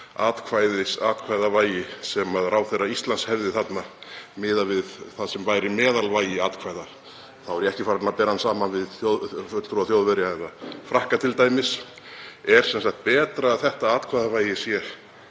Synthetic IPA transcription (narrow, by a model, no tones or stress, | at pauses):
aːt̪kʰvajðɪsaːt̪̚kʰvaːjðavaːjɪsɛmaðraːwθejraist̪lanshɛvðɪθat̪namɪːðavɪðθaðsɛmvaːjɾɪmɛːðalvaːjɪaːt̪kʰvaːjða | θawvɛɾjɛhcɪfaːɾat̪napɛːɾansaːmanvɪðjowðfœt̪lt̪ɾuaθjoːwðvɛɾjaɛnafɾahkat̪ʰɪlt̪aːjmɪs | ɛɾ̥sɛnsakt̪̚pɛːt̪ɾaːðθɛht̪aaːt̪kʰvajðavaːjɪsjɛɾ̥